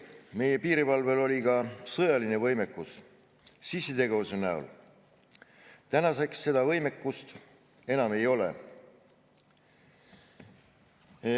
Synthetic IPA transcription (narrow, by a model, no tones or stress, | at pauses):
me̞je̞piːɾipɑlve̞lo̞lʲikɑsɤjɑline̞vɤjme̞kːˑus | sisːet̪e̞ɡe̞vuse̞næṵl | t̪ænɑse̞ksːe̞d̪̥ɑvɤjme̞kːˑust̪ | e̞nɑme̞jo̞lḛ